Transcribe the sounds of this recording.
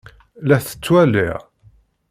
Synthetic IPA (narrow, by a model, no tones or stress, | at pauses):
læθə̥t͡sːwælḭʁ